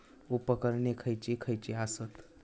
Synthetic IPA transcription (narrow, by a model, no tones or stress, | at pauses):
upəkəɾɳekʰəjt͡ɕekʰəjt͡ɕeasət̪